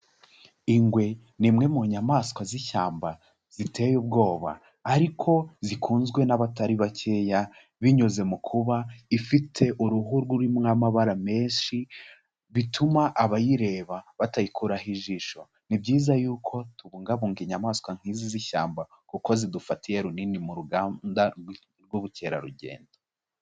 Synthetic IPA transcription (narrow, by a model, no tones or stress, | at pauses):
iŋɡwe̞ | nimŋe̞muɲamaːskwaziçaːmba | z̥ite̞ːjub̚ɡo̞ːβa̰ː | ɾikʰo̞zikʰuːnzɡwe̞naβataɾiβacʰe̞ja | βiɲoze̞mukʰuβaifitʰe̞ʔuɾuɦuɾɡuɾimŋamaβaɾame̞ːnʃi | βitʰumaʔaβajiɾe̞ːβaβatajikʰuɾaɦiʒiːʃo̞ | nibɟiːzajuːkʰo̞tuβuːŋɡaβuːŋɡiɲamaːskwaŋ̥hiːziziʃa̰ːmba | kuko̞zidufatijeɾuninimuɾuɡaːda | ɾɡwuβuce̞ːɾa̰ɾuɟe̞̰ːndo